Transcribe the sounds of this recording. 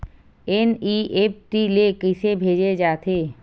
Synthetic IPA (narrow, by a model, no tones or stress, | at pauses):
eniep̚ʈilekɪsebʱed͡ʒed͡ʒaːt̪ʰe